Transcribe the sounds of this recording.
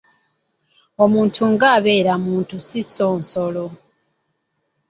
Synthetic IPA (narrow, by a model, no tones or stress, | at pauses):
o̞muːntʰuŋɡaːβe̞ːɾamuːntusiso̞ːnso̞lo